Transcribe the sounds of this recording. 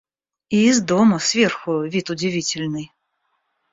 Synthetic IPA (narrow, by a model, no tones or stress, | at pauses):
izd̪ɔmusʲvʲɛrxʊvʲit̪ud͡zʲivʲit͡sʲɪlʲnɨj